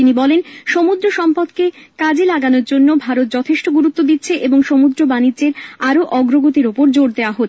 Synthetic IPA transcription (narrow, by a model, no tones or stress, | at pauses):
inibɔlenʃomud̪ɾoʃɔmpad̪kekad͡ʑelaɡanoɾd͡ʑonːobʱaɾot̪̚d͡ʑɔt̪ʰeʃʈoɡuɾut̪ːod̪it̪ːɕʰeʔeboŋʃomud̪ɾobanidd͡ʑeɾaɾoʔɔɡɾoɡot̪iɾopoɾd͡ʑoɾd̪eoaɦo